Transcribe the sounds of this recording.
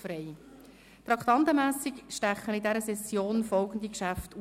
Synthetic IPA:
fɾɛɪ | t̪ɾɑkχt̪ɑnt̪əmæːsɪkʃtæχənɪdɛɾəsɛsjoːnfɔlɡən̩d̪ikʃæftu

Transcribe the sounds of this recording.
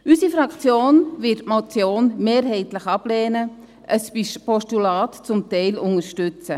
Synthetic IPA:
ysifɾɑkt͡sjoːnʋɪtmot͡sjoːnmeːɾɦɛɪtləχɑb̥leːnə | ʔəspɔʃtulɑːtt͡sʊmtɛɪlʊŋəɾʃtʉt͡sə

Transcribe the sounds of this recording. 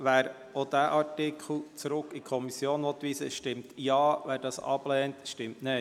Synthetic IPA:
ʋæːɾ | od̥̪æːʔɑɹtɪkʰχl̩t͡sɾʊkikʰɔmisjoːnʋɔt̪ʋiːsəʃtɪmtjɑːʋæːɾdɑːsɑ̰b̥lɛːntʃtɪmtne

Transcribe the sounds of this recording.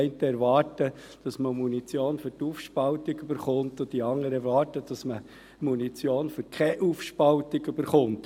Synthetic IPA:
ɪntəɛɾʋɑːrtə | d̥ɑsməmunit͡sjoːnføɾtuːfʃpɑltiɡybəɾχʊntʊdiɑŋəɾəɛɾʋɑːɾtəd̥ɑsmə | munit͡sjoːnføɾkʰɛʔuːfʃpɑltɪɡyb̥əɾχʊnt

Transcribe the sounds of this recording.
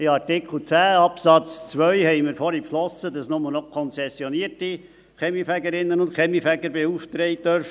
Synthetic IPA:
ɪɑɾtɪkʰl̩ˠt͡sæːɑpsɑt͡st͡sʋœʏɥhɛɪmɪɾfɔɾipʃlɔsədɑsnʊmənɔkʰɔnsɛsjɔniəti | χɛmifæɡəɾɪnːənʊntχɛmifæɡəɾbeuːft̪ɾɛɪt̪œɾf

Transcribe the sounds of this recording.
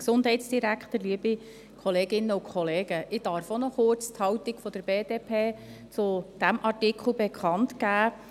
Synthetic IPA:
ksʊnd̥ɦɛɪtsd̥iɾækχt̪əɾliːəbi | kʰɔleːɡɪnːəʊkʰχɔleːɡ̥əʔɪd̥ɑɾfonɔχʊɾt͡st̪hɑwt̪iɡ̥fɔd̪̥əɾb̥eːdeːpʰeːt͡sʊd̥æmʔɑrtɪkχl̩bekʰχɑnt̪kæː

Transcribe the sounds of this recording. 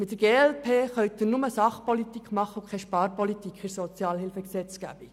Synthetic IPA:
mɪt̪dəɾɡ̥eːɛlpʰeːχœɥt̚ːɪnʊməsɑχpɔlit̪ikχmɑχːəukʰχɛʃpɑːɾpɔlit̪ikɪsɔt͡sjɑːlɦɪlfəksɛt͡sɡ̥æ̰b̥i

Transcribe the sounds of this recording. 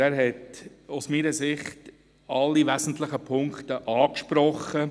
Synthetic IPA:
æːɾɦɛt | usmiːɾəsɪχt | ɑlːivæzn̩tlɪχəpʰʊŋktəʔɑːkʃpɾɔχːə

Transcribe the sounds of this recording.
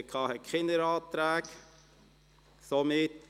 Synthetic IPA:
əkʰɑːhɛkχɪndəɾɑːt̪ɾæːɡ | somɪt

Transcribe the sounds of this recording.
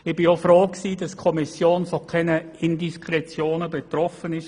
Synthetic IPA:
ɪb̥ɪofɾoːksiːdɑskʰɔmisjoːnfɔkʰɛnəɪndiskɾɛt͡sjoːnəbɛt̪ɾɔfənɪʃ

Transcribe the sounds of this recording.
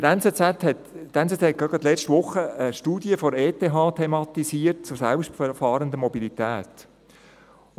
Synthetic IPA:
əɾɛnt͡set͡sæt̪hɛtt̪ːɛnt͡set͡sɛt̚ɡ̥ɑɡ̥ɑt̪lɛt͡ʃtʋʊχəəʃtuːdjəfɔɾeːt̪eɦɑːt̪ʰemɑt̪isiːəɾt̚t͡sʊɾsælpʃtfəfɑːɾənd̪əmɔbilit̪æːt̪

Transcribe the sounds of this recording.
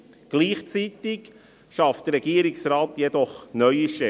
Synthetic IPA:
ɡ̥liːχt͡sit̪ɪɡ | ʃɑftd̥̪əɾɛɡ̥iəɾɪksɾaːt̪jɛd̪ɔχnœʏiʃɛ

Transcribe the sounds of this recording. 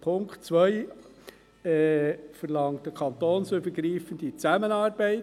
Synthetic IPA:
pʰʊŋktt͡sʋœɪ | ɛːfəɾlɑŋt̚d̥əkʰɑntoːnsøb̥əɾɡɾiːfənd̥it͡sæmənɑːɾbɛɪt

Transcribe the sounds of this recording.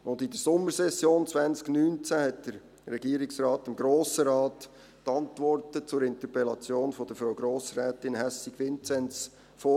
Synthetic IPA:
ʊndɪdəsʊmːəɾsɛsjoːnt͡sʋænt͡sknyːnt͡sæhɛtd̥əɾː | ɛɡiːəɾɪksrɑːtɪmɡɾoːsəɾɑːt | tɑntʋɔrtət͡sʊɾɪntəpɛlɑt͡sjoːnfɔd̥əfɾaʊɡɾoːsrɛːtɪnhɛsiɡʋɪnt͡sɛnt͡s | foː

